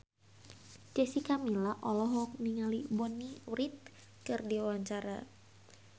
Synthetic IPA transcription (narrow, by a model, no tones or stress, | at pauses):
d͡ʒɛsikamilaʔɔlɔɦɔk̚niŋalibɔniwrit̪̚ | kɨrdiwawaɲt͡ʃaɾa̰